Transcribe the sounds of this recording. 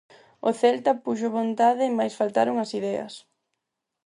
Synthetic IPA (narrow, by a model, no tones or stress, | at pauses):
oθɛlt̪ɐpuʃoβont̪aðɪːmajsfalt̪aɾoŋɐsiðɛɐ̰s